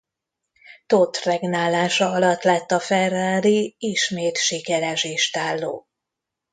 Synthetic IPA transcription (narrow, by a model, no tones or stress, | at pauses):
t̪ot̪rɛɡnaːlaːʃɒɒlɒt̪ːlɛt̪ːɒfɛraːliiʃmeːt̪ʃikɛɾɛʃeːʃt̪aːlːo̰ː